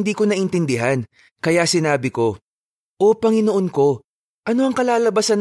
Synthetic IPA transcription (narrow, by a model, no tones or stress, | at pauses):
nd̪iːko̞nɐʔɪnt̪ɪnd̪ɪɦan | kɐjasɪnaːbɪko̞ | ʔo̞pɐŋɪnoʔonko̞ | ʔɐno̞ʔɐŋkɐlaːlɐbɐsan